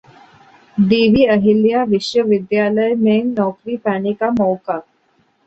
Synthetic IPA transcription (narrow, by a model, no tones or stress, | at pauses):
ɖiːʋiːɐɦɪlijaʋɪʃjəʋɪd̪jaːləjmẽːŋnɔːkɾipaːnekamɔːka